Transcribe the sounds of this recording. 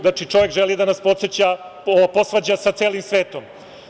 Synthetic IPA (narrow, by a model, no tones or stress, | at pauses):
at͡ʂit͡ʂo̞ʋe̞kʒelid̪anaspo̞t̪set͡ɕaopo̞sʋaːd͡ʑasat̪seːlimsʋeːt̪om